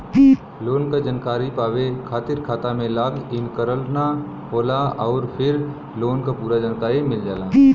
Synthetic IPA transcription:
loːnkad͡ʒənkaːɾipaːʋekʰaːt̪ɪɾkʰaːt̪amẽlaːɡɪnkəɾəlna | ɦoːlaɔːɾpʰɪɾ | loːnkapuːɾad͡ʒənkaːɾimɪld͡ʒaːlaː

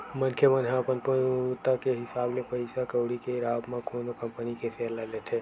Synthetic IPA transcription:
mənkʰemənɦãəpənpət̪ːakeɦisablepəjsakəwɽikeiɾabmãkonokəmpənikepʰelalet̪ʰe

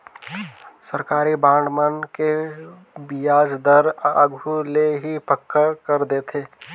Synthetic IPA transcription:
səɾkaːɾibãːɳɖmənke | bijaːd͡ʒd̪əɾəɡʱuleɦipəkʰːkəɾd̪eːt̪ʰeː

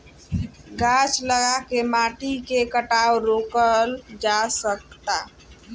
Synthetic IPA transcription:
ɡat͡ʃləɡakemaʈikekəʈawɾokəld͡ʒasək̚t̪a

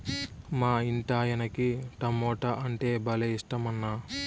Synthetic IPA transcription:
maːiɳʈaːjɐnɐkiʈɐmːɔːʈɐʔɐɳʈe̞ːbɐlɐiʂʈɐmɐnːa

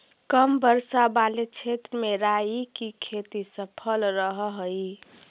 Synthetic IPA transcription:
kəmbəɾsabaːlet͡ʃʰet̪ɾəmeɾaːjikikʰeːt̪isəpʰəlɾəɦɦi

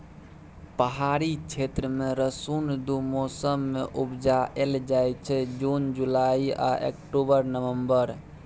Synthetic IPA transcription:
pəɦaɾit͡ʃʰet̪ɾəmeɾəsund̪umosəmːeʔubd͡ʒaeld͡ʒajt͡ʃʰɛd͡ʒund͡ʒulaia̰ʔḛkʈobəɾnəʋəmbəɾ

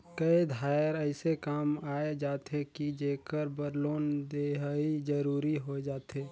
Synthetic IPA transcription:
kəid̪ʱaːjəɾəɪsekaːmaːed͡ʒaːt̪ɦekid͡ʒeːkəɾbəɾloːnd̪eɦid͡ʒəɾuːɾiɦod͡ʒaːt̪ɦeː

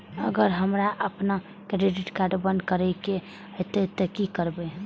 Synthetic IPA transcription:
əɡəɾɦəmɾaʔəpna | kɾeɖiʈkaɾɖbə̃nd̪̚kəɾɛke | ət̪et̪ɔkikəɾbɛ

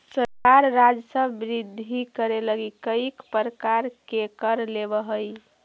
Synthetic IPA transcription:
səɾkaɾːad͡ʒsə̃bɾid̪ʱːikəɾeləɡikəikpəɾəkaɾkekəɾlebəɦəj

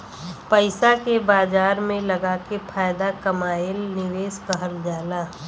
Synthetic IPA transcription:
pəɪsakebaːd͡ʒaːɾmẽlɐɡaːkepʰaːɪd̪akɐmaːɪlnɪʋeːskəɦəɾd͡ʒaːlaː

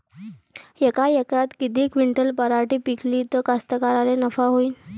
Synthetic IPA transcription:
jekajekɾat̪kit̪iːkʋiɳʈəlpəɾaʈiːpikʰliːt̪ɔkast̪əkaɾalenəfaɦoiːn

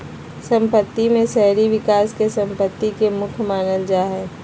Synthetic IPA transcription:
sə̃mpət̪ːimẽsɛɦɾiʋɪkaːskesə̃mpət̪ːikemʊkʰmaːnəld͡ʒaːɦɛː

